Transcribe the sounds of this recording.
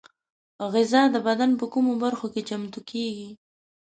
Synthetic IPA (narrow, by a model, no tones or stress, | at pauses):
ɣɪzɑd̪əbad̪anp̬əkumobaɾxoket͡ʃamt̪ukʰeɡi